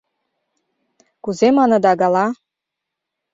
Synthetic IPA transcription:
kuzemɑnɤ̆d̪ɑɡɑlɑ

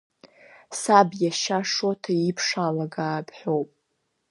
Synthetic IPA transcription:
sabjaʃaʂotʰaipʰʂalaɡaːbħʷᶣowpʼ

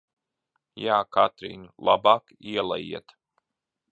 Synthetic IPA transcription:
jaːkat̪ɾḭːnlˠʔabaːk | iɛlˠa̰jḭɛt̪

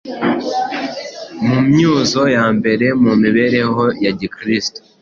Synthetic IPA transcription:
mumɲuːzo̞jaːmbe̞ɾe̞mumiβe̞ɾe̞ho̞jaɟikɾisto̥

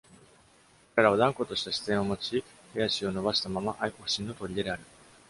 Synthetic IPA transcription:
ɾeɾaβad̪ãŋko̞t̪o̞ɕi̥t̪aɕi̥t͡sẽ̞ɰ̃o̞mo̞t͡ɕi | hejaɕio̞no̞baɕi̥t̪amamaʔaiko̞ɸɯ̟ɕĩnːo̞t̪o̞ɾʲid̪e̞d̪eaɾɯ̟

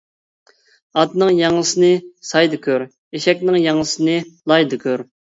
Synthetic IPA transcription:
ɑt̪nɨŋjɑŋlˠəsɨnɨsɑjd̪ɨkʲʰøɾ | eʃɛkʲnɪŋjɑŋlˠəsɨnɨlˠɑjd̪ɨkʲʰøɾ

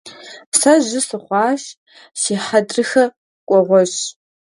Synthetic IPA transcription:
psɐʑɪsɨχʷɑːʃ | siːħɐdrɨxɐ | kʷʼɔʁʷɔɕ

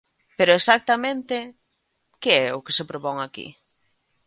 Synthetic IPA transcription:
peɾʊesak̚t̪amẽnt̪e | keɛʊkesepɾopɔŋakḭ

